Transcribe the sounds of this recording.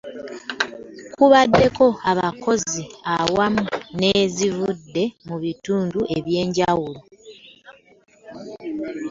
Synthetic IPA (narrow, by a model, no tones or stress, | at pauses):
kʰuβadːe̞ko̞aβako̞ziawamune̞ːzivudːe̞muβituːnduʔeβje̞ːɲɟawulo